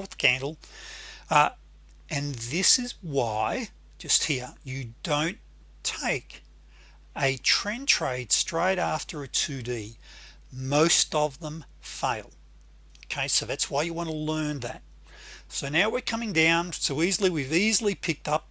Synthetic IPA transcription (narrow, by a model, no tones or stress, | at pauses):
θɡ̥æ̃ndˡl̩ˠ | ɨ̃nðɪsɨzwaɪ̥ | d͡ʒʌst̚hiɹjɨdõʊ̃n | tʰeɪk | ɨtʰɹ̥ɛ̃ntʰɹ̥eɪd̥stɹ̥eɪɾæftə˞ɨtʰʉdi | moʊstʌvðə̃m | feɪlˠ | oʊkʰeɪsoʊðætswaɪjəwɑ̃nəlɜ̃˞nðæ̰t̚ | soʊnaʊwɪɹkʰʌmɪ̃ŋdãʊ̃nsoʊizl̩ˠiwivizl̩ˠipʰɪk̚tʌp̚